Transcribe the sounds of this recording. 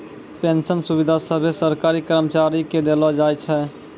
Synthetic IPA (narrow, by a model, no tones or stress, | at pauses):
pẽnsənsubid̪ʱasəbʱesəɾkaːɾikəɾmət͡ʃaːɾiked̪elad͡ʒaːjt͡ʃʰɛ